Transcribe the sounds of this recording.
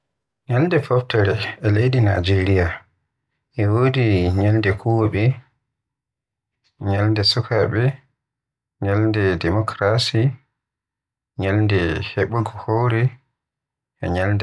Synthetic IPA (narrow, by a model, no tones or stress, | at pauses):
ɲalndɛfɔftɛɾɛɛlejdina̰d͡ʒeɾija | ʔɛwodiɲalndɛkʰɔɓɛ | ɲalndɛsɔkaɓɛ | ɲalndɛdɛmɔkɾasi | ɲalndɛhɛɓɔɡɔhowɾɛ | ʔɛ̰ɲaldɛ